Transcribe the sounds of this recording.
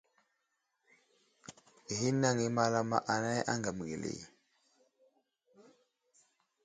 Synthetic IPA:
ɦi˦na˦˨ŋi˦ma˦la˦ma̰˦ʔa˨na˦ja̰˦ŋɡa˨m˨ɡe˨lḛ˨

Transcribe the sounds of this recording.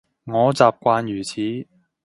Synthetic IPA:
ŋɔː˨˧t͡saː˨˩p̚kʷaː˧njyː˨˩t͡sʰiː˨˥

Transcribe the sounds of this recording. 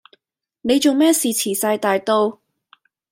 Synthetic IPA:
ne˨˧jt͡so˨wmɛː˥siː˨t͡sʰiː˨˩saː˧jt̪aː˨jt̪o˧w

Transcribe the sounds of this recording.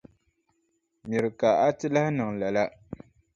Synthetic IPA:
mi˨ɾɨ˨ka˨a˦tɨ˦la˦hnɨ˨ŋla˨la˦

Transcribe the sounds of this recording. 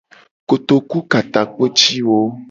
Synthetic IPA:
ko˨t̪o˨ku˦ka˨t̪a˨k͡pe˦t͡ʃi˦wo˦

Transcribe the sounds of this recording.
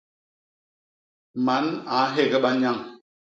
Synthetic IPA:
ma˨˦na˨˦ɦe˦˨ɣɛ˦ɓa˦ɲa˦˨ŋ

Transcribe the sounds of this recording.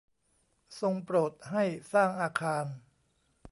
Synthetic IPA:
so˧ŋpɾoː˨˩t̪̚ɦa˥˩jsaː˥˩ŋʔaː˧kʰaː˧n

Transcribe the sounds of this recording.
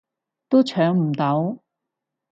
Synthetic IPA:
t̪o˥t͡ʃʰœː˨˥ŋm̩˨˩t̪ɐ˨˥w

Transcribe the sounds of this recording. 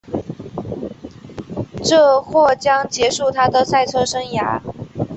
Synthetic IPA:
ʈ͡ʂɤ˥˧xwɔ˥˩t͡ɕjɑ˥ŋt͡ɕjɛ˧˥ʂu˥˩t̪ʰa˥d̪ə˨sa˥˩ɪt͡sʰɤ˥ʂɤ˥ŋja̰˧˥

